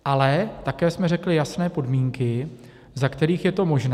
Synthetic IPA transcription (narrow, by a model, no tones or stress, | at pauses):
ʔalɛt̪akɛːsmɛrɛklɪjasnɛːpo̞dmiːŋkɪ | zakt̪ɛɾiːxjɛt̪o̞mo̞ʒnɛ